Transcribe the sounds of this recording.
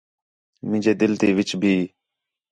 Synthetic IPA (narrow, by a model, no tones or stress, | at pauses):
mɪ̃d͡ʒeːd̪ɪlt̪iːʋɪt͡ʃbʱiː